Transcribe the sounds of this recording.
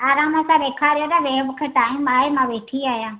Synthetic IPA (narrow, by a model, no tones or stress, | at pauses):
aːɾaːmasãɾeːkʰaːɾɪjoɾaʋeːʋəkʰəʈaːĩmaːemãʋeːʈʰiaːjãː